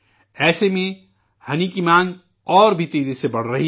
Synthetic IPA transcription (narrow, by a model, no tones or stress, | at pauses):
ɛːsemẽ | hɐnikimãːŋ | ɔːɾbʱit̪eːd͡ʒisebɐɽ̤ɾɐɦi